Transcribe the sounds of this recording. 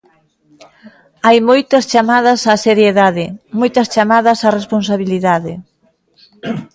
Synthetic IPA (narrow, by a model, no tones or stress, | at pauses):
ajmojt̪ɐst͡ʃamaðɐsaseɾjeðaðɪmojt̪ɐst͡ʃamaðɐsarespons̬aβiliðaðɪ